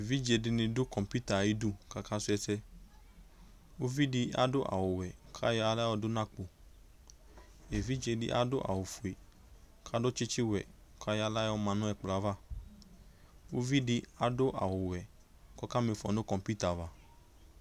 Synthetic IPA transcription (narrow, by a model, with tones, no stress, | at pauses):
e˨vi˦d͡ʒe˧dɪ˧nĩ˧dʊ˦kɔ˨mpu˦ta˨ji˦du˦ka˨ka˦su˦ɛ˧sɛ˧ | o˦vi˦di˧a̰˦dʊ˦ʔa̰˨wo˨wɛ˨kʰa˦ja˧la˦ɔ˧dʊ˦nã˦k͡po˨ | e˨vi˦d͡ʒe˧dḭ˦ʔa̰˦dʊ˦ʔa̰˨wo˨fu˨e˨ | kʰa˦dʊ˦t͡ʃɪ˦t͡ʃi˦wɛ˨kʰa˦ja˦la˦jɔ˦˧mã˨nʊ̃˦ɛ˨k͡pla˨˦va˦ | wo˦vi˦di˧a˦dʊ˦ʔa̰˨wo˨wɛ˨ | kɔ˦ka˦me˨˧fɔ˨nʊ˦kɔ̃˨mpu˦ta˨va˨